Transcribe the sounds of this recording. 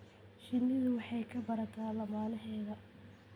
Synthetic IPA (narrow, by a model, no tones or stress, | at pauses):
ʃɪnːɪðʊwɑħɑjkʰɐbɐɾɐt̪ʰaːlɐmaːlɐɦɛːðɐ